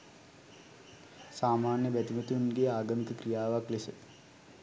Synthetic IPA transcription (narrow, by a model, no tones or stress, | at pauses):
saːmaːnjəbæt̪imət̪unɡeːaːɡənk̪əkrijaːʋaklesət̪